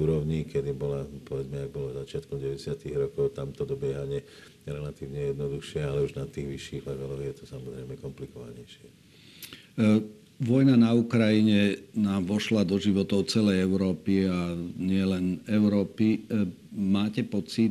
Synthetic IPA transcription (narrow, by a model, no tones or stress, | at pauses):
uːɾɔʊɲikɛd̪ibɔlapɔʋɛd͡zmɛaɡ̚bɔlɔzat͡ʃɪat̪kɔmɟɛʋɛɟɛsɪat̪iɣɾɔkɔʊt̪amt̪ɔd̪ɔbɪɛɦaɲɪɛ | ɾɛlat̪iːʋɲɛjɛd̪nɔd̪uxʃɪɛalɛuʒnat̪iːɣʋiʃːiːɣlaɡalɔɣjɛt̪ɔsamɔzɾɛɪmɛkɔmplikɔʋa̰ɲɛjʃɪɛ | ʋɔjnanaukɾajiɲɛnaːmʋɔʃlad̪ɔʒiʋɔt̪ɔʊt͡sɛlɛjɛʊɾɔːpiaɲɪɛlɛnɛʊɾɔːpi | maːcɛpɔt͡sit̪